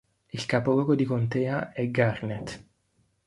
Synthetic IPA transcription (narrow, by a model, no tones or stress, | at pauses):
ilkaːpoɡɔɡod̪ikont̪eːaɛɡarnet̪